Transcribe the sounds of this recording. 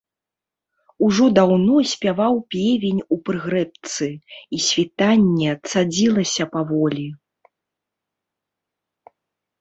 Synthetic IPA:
uʐɔd̪awnɔsʲpʲavawpʲɛvʲenʲupɾɨɣɾɛp̚t̪sɨisʲvʲit̪anʲːɛt̪sad͡zʲilˠɐsʲɐpavɔlʲi

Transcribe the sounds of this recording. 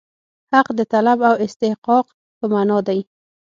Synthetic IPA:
haqd̪ət̪alabawɪst̪ɪhqɑq | pəmanɑd̪aj

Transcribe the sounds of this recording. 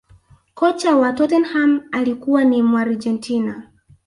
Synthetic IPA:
kɔt͡ʃawatɔtɛnhamalikuwanimuaɾd͡ʒɛntina

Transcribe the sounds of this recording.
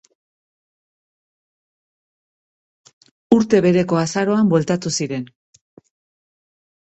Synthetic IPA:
uɾt̪e̞βe̞ɾe̞ko̞asaɾo̞ambwe̞lt̪at̪usiɾe̞n

